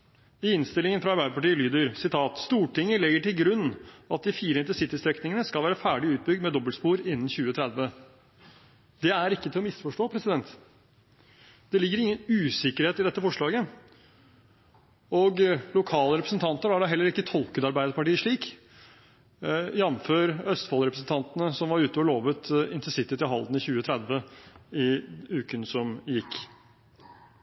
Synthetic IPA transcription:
ɪɪnst̪ɪlɪŋənfɾɑɑɾbæɪd̪əpʰɑʈiːəlyːd̪əɾsɪt̪ʰɑːt̪st̪uːʈɪŋːəlɪɡːəʈɪlɡɾʉnːɑt̪̚d̪ɪfiːɾəɪnt̪əsɪt̪ːəst̪ɾɛknɪŋənəskɑlʋæːɾəfæːɖɪʉːt̪̚bʏɡ̚d̪mɛd̪ɔbːəlspuːɾɪnːən̩çʉːət̪ʰɾɛd̪ʋə | d̪ɛæɾɪkːət̪ʰɪlɔmɪsfɔʂʈoːpʰɾɛsɪd̪ɛnt̪ | d̪̥ɛlɪɡːəɾɪŋːənʉːsɪkəɾheːt̪ɪd̪ɛt̪ːəfɔʂɭɑːɡə | ɔɡlʊkʰɑːləɾɛpɾəsənt̪ʰɑnt̪əɾæɖɛɦɛlːəɾɪkːət̪ʰɔlkəd̪ɑɾbæɪd̪əɾpɑʈiːəʂɭiːk | jɛnføːɾœst̪fɑlɾɛpɾəsn̩t̪ʰɑnt̪ənəsɔmʋɑɾʉːt̪əɔloːʋət̪ɪnt̪əsɪt̪ɪt̪ɪlɦɑld̪nɪçʉːət̪ʰɾɛd̪ʋəɪʉːkənsɔmjɪkː

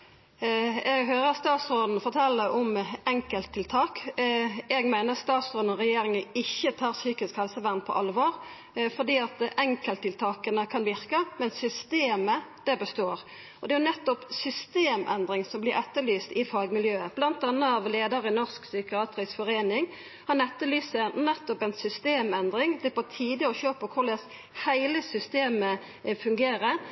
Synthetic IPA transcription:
ɛɡɦøːʁəɑt̪st̪ɑːt̪sʁoːd̪n̩fɔʁt̪ʰɛlːəʔɔmɛŋkəlt̪ʰːɪlt̪ʰɑːk | ɛɡmæɪnəʁɑt̪st̪ɑːt̪sʁoːd̪n̩ɔʁɛjeːɾɪŋəɪçːət̪ʰɑːʁsyːkɪskhɛlsəʋæʁnpʰɔ̰ʔɑlʋoːʁ | fɔʁd̪iːɑt̪ɛŋkəlt̪ʰːɪlt̪ʰɑːkənəkʰɑnʋɪʁkəmɛnsʏst̪eːməd̪̥ɛbəst̪oːʁ | ɔd̪ɛæjʊnɛt̪ːɔpsʏst̪eːmʔɛ̰nd̪ʁɪŋsɔmblɪɾɛt̪ːəlyːst̪ɪfɑːɡmɪljøːəb̥lɑnt̪ɑnːəɑʋleːd̪əɾɪnɔʁsksʏkɪɑːt̪ʁɪsfɔʁeːnɪŋ | hɑnɛt̪ːəlyːsənɛt̪ːɔpɛɪnsʏst̪eːmɛnd̪ʁɪŋd̪ɛbɔt̪ʰiːd̪əɔɕøːpɔkʰʊlɛs | hæɪləsʏst̪eːmə | fʉŋɡeːʁə

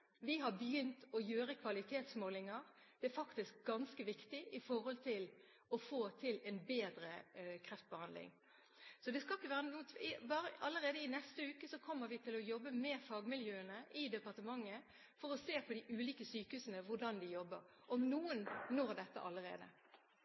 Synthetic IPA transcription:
ʋɪɦɑbəjʏnt̪ɔjøːɾəkʰʋɑlɪt̪ʰeːt̪smoːlɪŋɑɾd̪̥ɛæfɑkt̪ɪsk̚ɡɑnskəʋɪkt̪ɪʔɪfɔɾhɔlt̪ʰɪl | ɔfoːt̪ʰɪlɛnbeːd̪ɾəkʰɾɛft̪̚bəhɑnd̪lɪ̰ŋ | sɔd̪ɛskɑlɪkːəʋæːʁənuːt̪ʰɪbɑːɾəɑləɾeːd̪əɪnɛst̪əʉːkəsɔkʰɔmːəɾʋɪt̪ʰɪlɔjɔbːəmɛfɑːɡmɪljøːənəʔɪd̪ɛpɑʁt̪əmɑŋːə | fɔɾɔseːpʰɔd̪ɪʔʉːliːkəsyːkəhʉːsənəʋʊɖɑnd̪ɪjɔbːəɾ | ʔɔmnuːənnɔɾd̪ɛt̪ːə̰ʔɑ̰ləɾḛːd̪ə̰

